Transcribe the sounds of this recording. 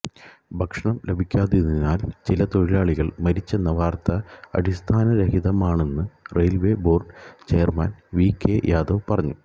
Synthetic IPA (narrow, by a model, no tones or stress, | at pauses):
bʱɐkʂɐɳɐmlʔe̞bʱikʲːaːðiɾnːinːaːlt͡ɕilɐt̪o̞ɻilaːɭiɣɐɭmɐɾit͡ɕːe̞nːɐʋaːrt̪ɐɐ̰ɽist̪ʰaːnɐɾeɦiðɐmaːɳe̞nːɨrejlʋe̞bo̞ːrɖt͡ɕe̞jɐrmɐːnʋiːkːejʔaːd̪oːpɐrɐɲːu